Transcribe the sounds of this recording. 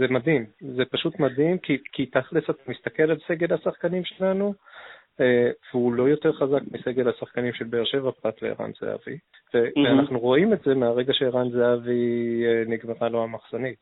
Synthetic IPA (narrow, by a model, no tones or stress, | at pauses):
ze̞madimze̞paʃutmadimkikit̪aχlesat̪amist̪ake̞lalse̞ɡe̞lhasaχkanimʃelanu | eveulo̞jo̞te̞ʁχazakmise̞ɡe̞lhasaχkanimʃelbeːʁʃe̞vapʁat̪lḛḭʁa̰nz̥ḛa̰vḭ | veveanaχnuʁo̞imetze̞meaʁe̞ɡaʃeːʁanzeaviniɡmeʁalo̞amaχz̥onit